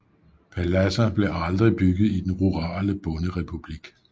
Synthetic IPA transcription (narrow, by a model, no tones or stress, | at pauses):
pʰælæsɐb̥le̝ʔɑ̈ld̥ʁib̥yɡ̥ð̩ˠid̥enʁuʁɑ̈ːləb̥ɔ̽nəʁɛpʰub̥liɡ̥